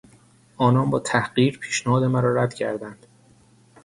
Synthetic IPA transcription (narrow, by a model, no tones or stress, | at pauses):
ʔɒːnɒːnbɒːt̪ʰæhɢiːɾpʰiːʃnæhɒːd̪e̞mæɾɒːɾæd̪̥cʰæ̰ɾd̪ænd̪̥